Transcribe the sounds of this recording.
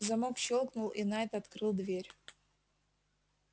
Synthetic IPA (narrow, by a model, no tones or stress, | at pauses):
zɐmokɕolˠknʊlˠinaɛt̪əɐt̪kɾɨlˠd̪vʲeɾʲ